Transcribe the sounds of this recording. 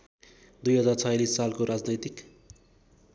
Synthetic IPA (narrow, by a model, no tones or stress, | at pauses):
d̪ujɦʌd͡zart͡sʰʌjlisːalkoɾad͡znʌjt̪ik